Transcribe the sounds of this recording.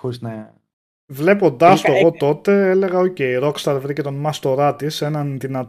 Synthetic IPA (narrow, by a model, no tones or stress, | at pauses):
oɾizne | vle̞po̞nd̪ɐst̪oeɣo̞t̪o̞t̪e̞ele̞ɣɐoce̞jɾo̞kst̪ɐɾvɾicet̪o̞nmɐst̪o̞ɾɐt̪ise̞nɐnðinɐt̪